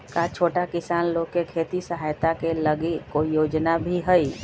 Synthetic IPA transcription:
kat͡ʃʰoːʈakɪsaːnloːɡ̚kekʰeːt̪isəɦajt̪akeləɡikojoːd͡ʒnabʱiɦəi

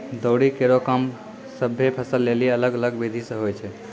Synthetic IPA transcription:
d̪əʊɽikeɾokəm | səbʱːepʰəsəlːeliələɡələɡbid̪ʱisə̃ɦojt͡ʃʰɛ

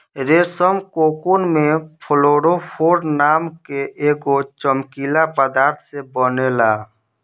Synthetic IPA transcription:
ɾeːsəmkoːkunmẽpʰəloːɽopʰoːɾnaːmkeʔeːɡot͡ʃəmkiːlapəd̪aːɾt̪ʰsebənelaː

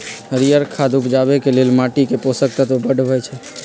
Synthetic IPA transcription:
ɾijəɾkʰad̪upd͡ʒabɛkelelmaʈikeposək̚t̪ət̪obəɖbʱɛjt͡ʃʰɛ

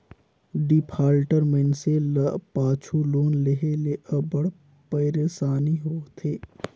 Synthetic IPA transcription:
ɖipʰaːlʈəɾmenselɐpaːt͡ʃʰuloːnleɦeleʔəbəɽ | pɐɪɾeːsaːniɦoːt̪ʰeː

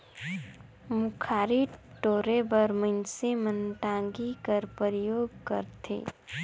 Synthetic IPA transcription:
mukʰaːɾiʈoːɾebəɾmə̃nsemənʈãŋɡikəɾpəɾjoːɡkə̰ɾt̪ʰḛː

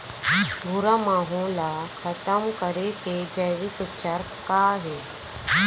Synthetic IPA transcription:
bʱuɾamaːɦõlakʰət̪əmkəɾeked͡ʒɐjʋik̪utːt͡ʃaɾ | kaɦe

